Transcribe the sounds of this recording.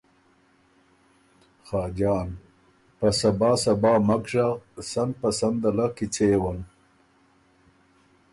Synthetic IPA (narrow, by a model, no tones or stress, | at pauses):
xɑːd͡ʒɑːn | pasabɑːsabɑːmakʐaɣsand̪̚pasand̪alakit͡sewan